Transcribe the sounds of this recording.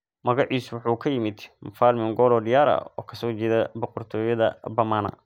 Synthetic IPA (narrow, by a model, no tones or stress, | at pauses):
mɐɣɑʕiːswʊħuːkʰɐjɪmɪd̪mfaːlmɪŋɡɔːlɔːɖɪjaːɾɐ̰ɔ̰ːkʰɐsɔːt͡ʃɛðɐbɔqɔrt̪ʰɔːjɐðɐbɐmaːnɐ̰